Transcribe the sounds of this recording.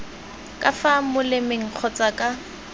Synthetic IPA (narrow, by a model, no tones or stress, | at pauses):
kʼafamʊlɪmeŋ̩q͡χʰɔt͡sʼakʼa